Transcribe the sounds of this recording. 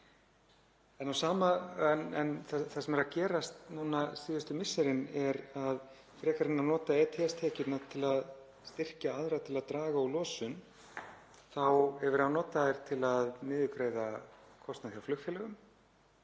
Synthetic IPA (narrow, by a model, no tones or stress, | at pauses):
ɛnawsaːmanɛnθaθasɛmɛɾaðcɛːɾast̪nuːnasiːðʏst̪ʏmɪsːɛɾɪnɛɾað | fɾɛːkaɾɪnːanɔːt̪aɛːt̪ʰɛɛst̪ʰɛːcɪt̪nat̪ʰɪlað | st̪ɪr̥caaðɾat̪ʰɪlaðt̪ɾaːɣaulɔːsʏn | θawɛvʏɾ̥hawnɔːt̪aðɪɾ̥t̪ʰɪlaðnɪːðʏkɾejðakʰɔst̪naθjawflʏxkfjɛlɛɣʏm